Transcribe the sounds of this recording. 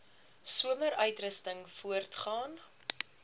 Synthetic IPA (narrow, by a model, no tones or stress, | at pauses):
suəməɾœɥtrəstəŋfuərtχɑːn